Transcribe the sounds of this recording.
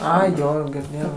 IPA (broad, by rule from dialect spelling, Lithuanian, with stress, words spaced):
ˈɐɪ ˈjoː ɡʲɪrʲˈdʲeːjɛʊ